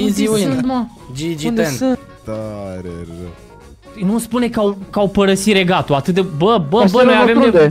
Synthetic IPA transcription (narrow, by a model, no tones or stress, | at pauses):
zima | d͡ʒid͡ʒie | t̪aɾḛ | nuspunekakawpəɾəsiɾeɡat̪oat̪ɨt̪d̪ebəbəbənojaavemnevoj